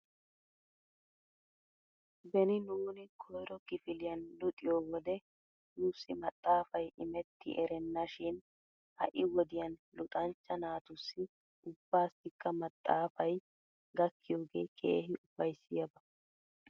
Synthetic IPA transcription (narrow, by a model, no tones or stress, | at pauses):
bɛnɪnuːnɪkʰɔjɾɔkɪfɪlɪjɐnlʊt̪ʼɪjoːwɔd̪ɛ | nuːsːɪmɐt̪ʼːaːfɐjʔɪmɛt̪ːɪ̰ʔɛɾɛnːɐʃɪn | hɐ̰ʔɪwɔd̪ɪjɐnlʊt̪ʼɐnt͡ʃːɐnaːt̪ʊsːɪ | ʊbːaːsːɪkːɐmɐt̪ʼːaːfɐj | ɡɐkːɪjo̞ːɡe̞ːkʰḛːhɪʔʊb̥ːɐjsːɪjɐbɐ